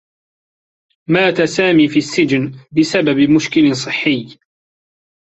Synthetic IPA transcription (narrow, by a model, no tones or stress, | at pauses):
maːt̪asaːmiːfiːʔasːɪd͡ʒnbɪsababmʊʃkɪlsˤɨħːɪjː